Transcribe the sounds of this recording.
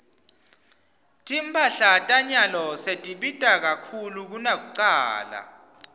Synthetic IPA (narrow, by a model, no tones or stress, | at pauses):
tʼimpʰʼaɬatʼaɲalɔsetʼiɓitʼak̬akʰuluk̬unak̬uǀaːla̰